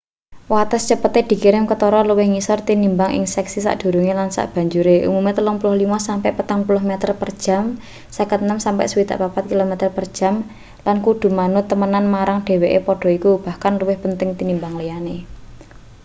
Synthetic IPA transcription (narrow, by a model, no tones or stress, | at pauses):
wat̪əst͡ʃəpət̪ed̪̥i̤kiɾɪmkət̪ɔɾɔluwɪhŋisɔrt̪inimbaŋʔḭŋsɛksisa̰ʔd̥ṳɾuŋelansa̰ʔb̥a̤ɲd͡ʒuɾeʔṵmumet̪əlʊŋpulʊhlimasampɛʔpət̪aŋpulʊɦmɛt̪ərpərd̥ʒ̥a̤m | sakət̪nəmsampɛ̰ʔsəwit̪a̰ʔpapat̪̚kilomɛt̪ərpərd̥ʒ̥a̤m | lankuɖ̥ṳmanʊt̪ːəmənanmaɾaŋɖ̥e̤weʔepɔɖ̥ɔ̤ikub̥a̤hkanluwɪhpənt̪ɪŋt̪inimbaŋlejane